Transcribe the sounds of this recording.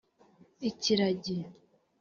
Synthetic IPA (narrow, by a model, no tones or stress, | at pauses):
iciɾaɟi